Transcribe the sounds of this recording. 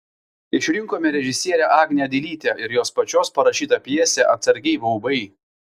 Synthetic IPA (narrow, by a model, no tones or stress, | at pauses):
ɪʃʲɾʲɪŋkoːmʲɛɾʲɛʒʲɪsʲiɛɾʲɛʔɑːɡʲnʲjɛd̪ʲɪlʲiːt̪ʲɛʔɪɾjoːspɐt͡ʃʲoːspɐɾɐʃʲiːt̪ɐpʲjiɛsʲɛʔɐt̪sɐɾʲɡʲɛɪʋɐʊbɐɪ